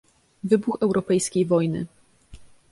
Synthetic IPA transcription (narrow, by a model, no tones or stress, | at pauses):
vɘbuxɛwɾɔpɛjskʲejvɔjnɘ̰